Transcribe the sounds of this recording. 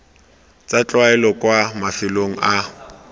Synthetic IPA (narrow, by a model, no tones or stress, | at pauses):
t͡sʼat͡ɬʼwaɛlɔkʼwamafɪloŋ̩ʔa